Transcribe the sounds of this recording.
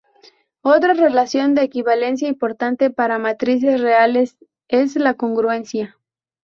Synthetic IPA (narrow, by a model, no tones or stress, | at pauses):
o̞t̪ɾare̞lasjo̞nd̪e̞ːkiβale̞ns̬jaimpo̞ɾt̪ant̪e̞paɾamat̪ɾis̬e̞sreale̞s | e̞slako̞ŋɡɾue̞nsja